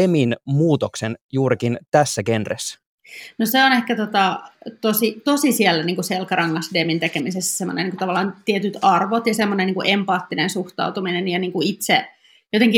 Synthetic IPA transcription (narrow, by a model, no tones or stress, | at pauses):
eminmuːt̪oksenjuːɾikint̪æsːækenrḛs | noseonehkæt̪ot̪ɑt̪osit̪osisielːæniːŋkuselkɑɾɑŋːɑsdemint̪ekemisesːæ̥semːo̰nḛnːiŋkut̪ɑʋɑlːˑɑːnt̪iet̪yt̪ɑrʋot̪jɑsemːonenːiːŋkuʔempɑːt̪ːinensuht̪ɑ̰ut̪uminenjɑniːŋkuit̪se | jot̪eŋki